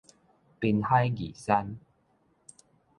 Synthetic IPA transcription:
pi˧nha˦jɡi˨˩sa˦n

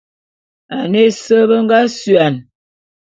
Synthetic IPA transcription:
a˨ne˦˨sə˦bə˦ŋ˦ɡa˦sɥa˨n

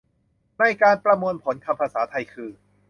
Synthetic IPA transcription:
na˧˩jkaː˧npɾa˧mu˧ənpʰo˩˦nkʰa˧mpʰa˧saː˩˦t̪ʰa˧jkʰɯː˧

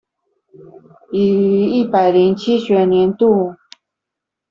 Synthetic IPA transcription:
i˨˩˨i˥˩pa˨˩ɪli˧˥nt͡ɕʰi˥ɕɥɛ˨˩nnjɛ˧˥nt̪u˥˩

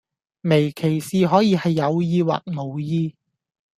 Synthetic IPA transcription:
me˨˩jkʰe˨˩jsiː˨˧ɦɔː˨˥jiː˨˧hɐ˨jːɐ˨˧wjiː˧wa̰ː˨t̚mo˨wjiː˧

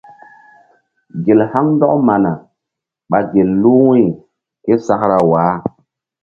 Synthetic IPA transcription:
ɡe˨lha˦ŋn˦dɔ˦kma˨na˨ | ɓa˨ɡe˨lːu˦wi˦˨ | ke˦sa˦kɾa˨waː˨˦

